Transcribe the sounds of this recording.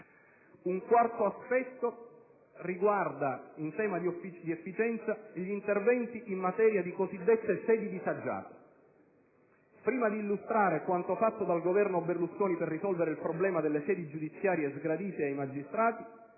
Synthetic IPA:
uŋkwart̪oaspɛt̪ːo | riɡward̪aint̪ɛːmad̪iofːit͡ʃid̪iefːit͡ʃɛnt̪saʎint̪ervɛnt̪iʔimːat̪ɛːɾjad̪ikozid̪ːet̪ːesɛːd̪id̪isad͡ʒːa̰ːt̪e̥ | pɾiːmad̪iːlːust̪ɾaːɾekwant̪ofat̪ːod̪alɡovɛrnoberluskoːniperːisɔlveɾeilpɾoblɛːmad̪elːesɛːd̪id͡ʒud̪it̪sːjaːɾjezɡɾad̪iːt̪eajmad͡ʒist̪ɾaːt̪i

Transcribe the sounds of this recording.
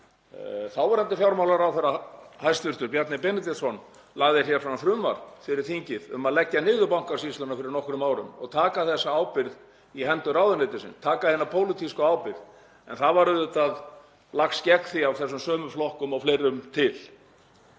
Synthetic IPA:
θawvaɾhɛnt̪ɪfjawɾmawlaɾawθɛɾahajst̪vɪɾ̥t̪ʏɾpjɛt̪nɪpɛnɪt̪ɛsɔn | laɣðɪɾ̥jɛ̥fɾaθɾʏmːa̰ɾ̥fɪɾɪɾ̥θiɲcɪðʏ̰maðlɛcːanɪːðʏpawŋ̥kasist̪ʏnafɪɾɪɾnɔhkɾʏmaːwɾʏ̰mɔ̰ɣt̪ʰaːkaθɛsːaaːwpɪɾð | iɦɛnt̪ʏɾaːwðʏnɪt̪ɪsɪ̰nst̪ʰaːkahejnapʰoːwlɪt̪ʰiskʏaːwpɪɾð | ɛnθaðvaɾʏðʏt̪að | laxscɛkθiawθɛsːʏmsœːmʏflɔhkʏmɔwflejɾʏmt̪ʰɪl

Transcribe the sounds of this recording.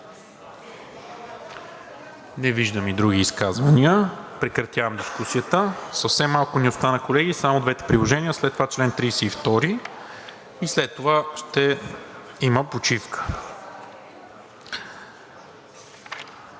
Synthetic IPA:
nɛviʒd̪əmid̪ɾuɡ̟iːskazvəniəpɾɛkɾɐt̪ʲjavəmd̪iskusijət̪əsəfsɛmːalˠkʊnʊst̪anɐkolɛɡisamod̪vɛt̪ɛ̥pɾilˠoʒɛniəslɛt̪ːovat͡ʃlɛnt̪ɾijsɛift̪ɔɾi | islɛt̪ːovaʃt̪ɛ | iməpot͡ʃifkə̥

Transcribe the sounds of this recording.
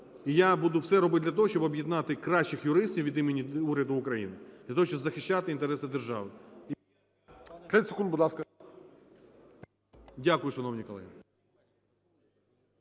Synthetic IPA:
ijabud̪ʊwsɛɾɔbɪt̪d̪lʲɐt̪ɔɦɔɕt͡ʃɔbɐbjid̪nɑt̪ɪkɾɑʃt͡ʃːɪxjʊɾɪsʲtʲiwʋʲid̪imenʲiuɾʲɐd̪ʊːkɾɐjḭnɪd̪lʲɐt̪oɦɔɕt͡ʃɔbzɐxɪɕʲːat̪ɪint̪eɾɛsɪd̪erʒɑ̰ʋɪ | t̪lʲɛsekund̪bʊd̪lˠɑskɐ | dʲakʊjʊʃɐnɔwnʲikɔlˠɛ̰n

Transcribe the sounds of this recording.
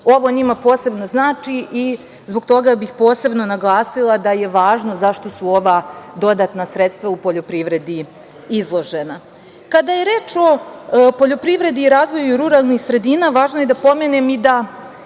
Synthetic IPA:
o̞ʋo̞ɲimapo̞ːse̞bno̞znaːt͡ʃiʔi | zbo̞ɡt̪o̞ɡabixpo̞ːse̞bno̞naɡlˠaːsilˠad̪aje̞ʋaːʒno̞zaʃt̪o̞suo̞ʋad̪o̞d̪aːt̪nasɾet̪st̪ʋaupo̞ʎo̞pɾiʋɾe̞d̪i | izlˠo̞ʒe̞na | kad̪ajeɾeːt͡ʃo̞po̞ʎo̞pɾiʋɾe̞d̪iːɾaːzʋo̞juɾuɾalˠnixsɾe̞d̪iːnaʋaːʒnoje̞d̪apo̞menemid̪a

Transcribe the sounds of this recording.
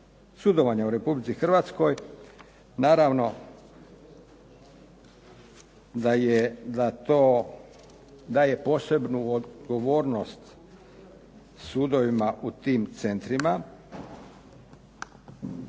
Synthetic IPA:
sud̪o̞ʋaɲauɾe̞publit̪sixr̩ʋaːt̪sko̞j | naːɾaʋno̞ | d̪ajed̪at̪oː | d̪aːje̞po̞se̞bnuoɡo̞ʋo̞ːɾno̞st̪ | suːd̪o̞ʋimaʔut̪iːmt̪se̞nt̪ɾima

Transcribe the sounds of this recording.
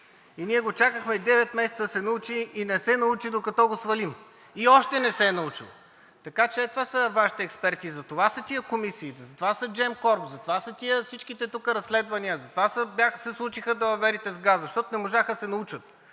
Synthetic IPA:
iniɛɡot͡ʃakəxmɛd̪ɛvɛt̪mɛsɛt̪səd̪sɛnɐut͡ʃiʔːnɛsɛnɐut͡ʃid̪okɐt̪ɔɡosvɐlim | iɔʃt̪ɛnɛsɛnɐut͡ʃḭlˠ | t̪ɐkat͡ʃɛɛt̪ovasəvaʃi̥t̪ɛɛkspɛɾt̪izɐt̪ovasɐt̪iəkomisiːt̪zɐt̪ovasɐd͡ʒɛmkɔɾpzɐt̪ovasɐt̪iəfsit͡ʃkit̪ɛt̪ukəɾɐsːlɛd̪vɐniəzɐt̪ovasəbʲjaxsɛslˠut͡ʃixəd̪ɐɐvɛɾit̪ɛzɡazɐʃt̪ɔt̪onɛmoʒaxəsɛnɐut͡ʃət̪̚

